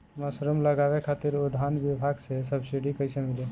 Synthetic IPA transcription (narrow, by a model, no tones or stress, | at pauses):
məsɾəmləɡabekʰat̪iɾud̪ʱanbibʱaɡsesəbsiɖikəjsemili